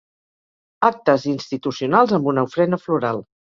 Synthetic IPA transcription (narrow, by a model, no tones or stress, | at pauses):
ak̚t̪əzinst̪it̪usiunalˠzəmbunəufɾɛnəfluɾalˠ